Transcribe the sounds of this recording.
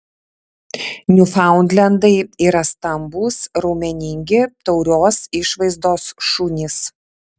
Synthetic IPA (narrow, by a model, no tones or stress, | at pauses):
nʲʊfɑˑʊnd̪ʲlʲɛnd̪ɐɪiːɾɐst̪ɐmbuːsɾɐʊmʲɛnʲɪŋʲɡʲɪt̪ɒʊɾʲoːsɪʃʋɐɪzd̪oːsʃunʲɪs